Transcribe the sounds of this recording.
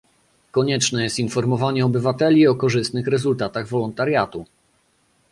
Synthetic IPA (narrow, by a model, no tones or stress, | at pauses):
kɔɲɛt͡ʂnɛjɛst̪infɔɾmɔvaɲɛɔbɘvat̪ɛlʲiɔkɔʐɘst̪nɘxɾɛzult̪at̪aɣvɔlɔnt̪aɾʲjat̪u